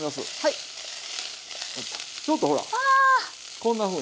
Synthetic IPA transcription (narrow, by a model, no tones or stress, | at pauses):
imasɨ̰hai | t͡ɕʲo̞t̪ːoɦo̞ɾa̰a | kõ̞nːaɸɯ̟̃ː